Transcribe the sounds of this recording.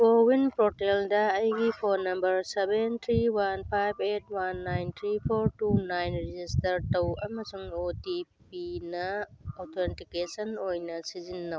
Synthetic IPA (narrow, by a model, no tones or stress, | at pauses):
kowinpɾoteldɐːjɡipʰonːɐmbɐɾsebentʰɾiwanpʰajbʰʱet̚wanːajnt̪ʰɾipʰoɾtunajnɾid͡ʒistɐɾtɐwɐmɐsuŋotipinɐawtʰentikesɐnojnɐsizinːɐw